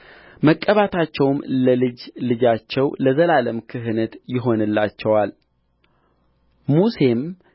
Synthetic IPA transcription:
məkʼːəβat̪ʰat͡ʃːɛwmləlɨd͡ʒlɨd͡ʒat͡ʃːɛwləzəlaləmkʰɨɦɨnət̪jɪɦo̞nɨlːat͡ʃːɛwal | muse̞m

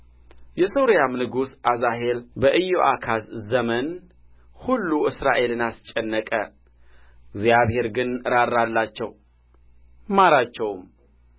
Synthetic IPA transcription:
jɛso̞ɾijamnɨɡusʔazaɦe̞lbəʔɨjːoʔakʰaszəmən | hulːuɨsɾaʔe̞lɨnast͡ʃʼːɛnːəkʼə | ɡzjaβhe̞ɾɡɨnɾaɾːalːat͡ʃːɛ̰w | maɾat͡ʃːɛwm

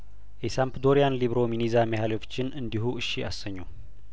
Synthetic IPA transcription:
ʔesampd̪o̞ɾijanliβɾo̞minizamehaliot͡ʃːɪnʔɨnd̪iɦuʔɨʃːiʔa̰səɲːu

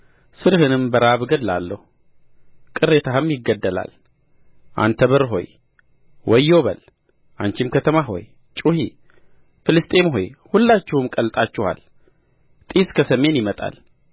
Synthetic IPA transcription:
sɨɾhɨnɨmbəɾaβɡəd̪lalːəhu | kʼɨrːe̞t̪ʰahɨmjɪɡːəd̪ːəla̰l | ʔa̰nt̪ʰəβəɾɦo̞̰j | wɔjːo̞βə̰l | ʔant͡ʃɪmkʰət̪ʰəmaɦo̞̰j | t͡ʃʼuhi | fɨlɨst̪ʼe̞mɦo̞jhulːat͡ʃːɛwmkʼəlt̪ʼat͡ʃːɪha̰l | t̪ʼiskʰəsəme̞njɪmət̪ʼa̰l

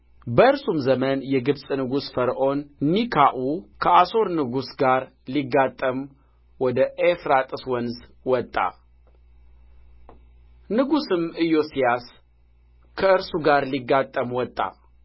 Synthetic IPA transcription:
bəɨɾsumzəmənjɛɡɨbsʼnɨɡusfəɾʔo̞nːikʰaʔukʰəaso̞ɾnɨɡusɡaɾ | liɡːat̪ʼːəm | wɔd̪əʔefɾat̪ʼɨswɔnzwɔt̪ʼːa̰ | nɨɡusɨmɨjo̞sijas | kʰəɨɾsuɡaɾliɡːat̪ʼːəmwɔt̪ʼːa̰

